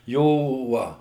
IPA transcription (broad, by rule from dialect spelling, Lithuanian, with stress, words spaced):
ˈjoː ˈʋɐ